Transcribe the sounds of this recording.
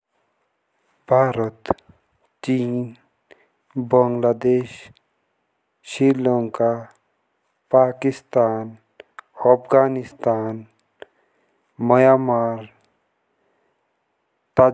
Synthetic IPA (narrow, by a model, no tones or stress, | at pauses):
bʱaːɾət̪ | t͡ʃiːn | bəŋɡlaːd̪eːʃ | iɾloŋka | paːkɪst̪aːn | əpɡaːnɪst̪aːn | məjaːmaːɾ | t̪aː